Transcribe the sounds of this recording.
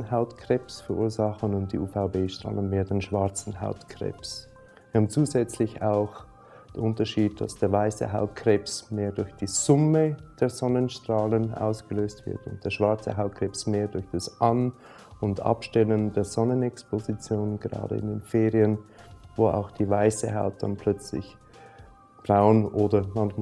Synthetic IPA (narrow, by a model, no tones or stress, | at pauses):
n̩ɦaʊtkʰʁ̥eːpsfɛʁʔuːɐzɑχənʊnt̚d̥ḭːʔuːfaʊbeːʃtʁ̥a̰ːlənmeːdenʃv̥aɐt͡sn̩ɦa̰ʊtkʰʁ̥ḛːps | vɐhːbn̩t͡suːzɛt͡slɪçaʊx | d̥eʔʊntɐʃiːd̚d̥a̰sd̥eːɐvaɪsə̰ɦaʊt̚kʰr̥eːpsmeːɐdʊɐçd̥iːz̥ʊməd̥eːɐz̥ɔnənʃtʁ̥aːlənʔa̰ʊsɡ̥əløːstv̥ɪ̰ɐtʊ̰nt̚d̥eːɐʃv̥aɐt͡sə̰ɦaʊt̚kʰʁ̥eːpsmeːɐdʊɐçd̥asʔan | ʊndʔɑ̰pʃtɛləndeːɐzɔnənɛkspozit͡sjoːnənɡəʁɑ̰ːdə̰ɪ̰ndeːnfeːʁiənvoːa̰ʊxd̥iːvaɪsə̰ɦaʊt̚d̥a̰npʰl̥œt͡slɪ̰ç | b̥ʁaʊənʔoːdɐmɑnç